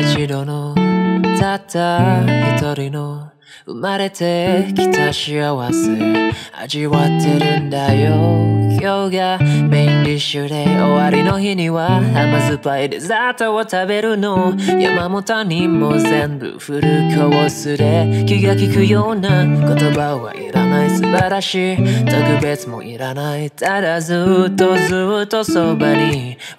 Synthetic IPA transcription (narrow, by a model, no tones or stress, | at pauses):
ɕiɾono | tʰat̪ʰakʰot̪ʰoɾino | ɯ̰maɾet̪ʰekʰi̥t̪ʰaɕiawasɨa̰d͡ʒiwatʰeɾɯnd̪ajokʰjoɡameliɕɯɾeowaɾinoɦiniwahamazɯpaid̪ezat̪oot̪ʰabeɾɯnoja̰mamot̪animozend̪ɯ̰ɸɯɾɯkʰowosɨɾekʲiɡakikɯjonakot̪obawa̰ʔḭɾanaisɨbaɾaɕit̪ʰaɡɯbet͡sɨmo̰ʔiɾanait̪ʰadazɯt̪ozɯt̪ːosobani